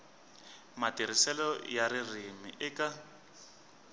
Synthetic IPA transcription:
matiɾisɛlɔjaɾirimḭʔɪka

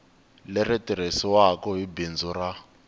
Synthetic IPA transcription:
lɛɾɛtiɾ̤esiwakɔɦibind͡zura

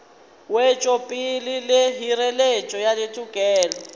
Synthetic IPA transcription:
wɛt͡ʃʼopʼilileɦiɾɛlet͡ʃʼɔjaletʼukʼɛːlɔ

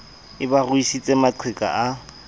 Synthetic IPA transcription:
ɪbarʊisit͡sʼemat͡sʰɪkʼa̰ʔa

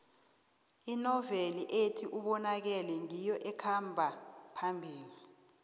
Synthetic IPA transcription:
inɔveliʔetʰiʔuɓɔnak̬ɛlɛŋijɔʔɛkʰambʱapʰambʱiːli

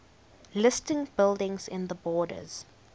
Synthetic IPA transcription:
lɪstɪ̃ŋbɪlˠdɪ̃ŋzɪ̃nðəbɔːdə̰z̥

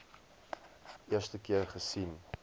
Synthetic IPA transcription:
ʔiərstəkiərχəsin

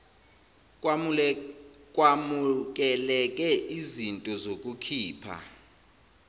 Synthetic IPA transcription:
k̬ʼwamuk̬ɛlɛk̬ʼɛʔizintʼɔzokʼukʰiːpʰa̰

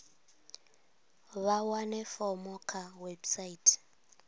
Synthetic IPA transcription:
βawanɛfɔmɔkʰawebsaitʰʼ

